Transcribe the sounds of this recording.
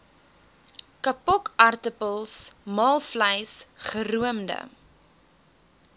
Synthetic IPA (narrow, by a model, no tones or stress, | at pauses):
kɐpɔkɐrtəpəlˠsmɑːlˠfləjsχəruəmdə̰